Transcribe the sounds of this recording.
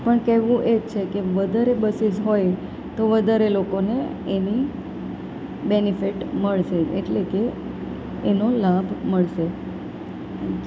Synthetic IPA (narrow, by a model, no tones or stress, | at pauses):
pəɳkɛʋũʔed͡ʒt͡ʃʰekeʋəd̪ʱaɾebəsid͡ʒɦoj | t̪oʋəd̪ʱaɾelokoneeni | benifiʈməɭʃeḛʈlekeː | nolabʱməɭʃe